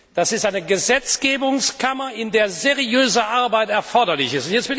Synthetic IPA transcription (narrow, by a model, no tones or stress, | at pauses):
d̥asɪstʔaɪnəɡəzɛt͡sɡ̥eːbʊŋskʰamɐɪndeːɐzeʁiøːzəʔaɐbaɪtɛɐfɔɐdɐlɪçɪstʊntjɛt͡stv̥ɪl